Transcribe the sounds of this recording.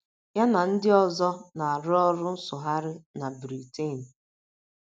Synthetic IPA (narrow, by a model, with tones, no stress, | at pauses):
ja˦na˨n̩˦dɪ˦ɔ˨zɔ˦na˨a˨ɾʊ˦ɔ˦ɾʊ˦n̩˦sʊ˨ɦa˦ɾɪ˦na˨bɾi˨te˦˨n̩˨